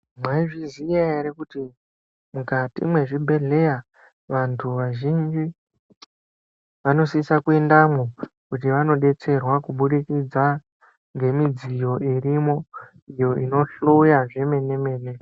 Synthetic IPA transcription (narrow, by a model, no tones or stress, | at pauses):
mwaiʐizijaeɾekuti | mukatḭmwe̞ʐibʱe̞ɮe̞ja | ʋantʰuʋaʒind͡ʒi | ʋano̞sisakue̞ndamokutiʋano̞ɗe̞t͡se̞rwakuɓuɗikid͡za | ŋɡe̞mid͡zijo̞irimo̞ | ijo̞ino̞ɬuujaʐeme̞ne̞me̞ːne̞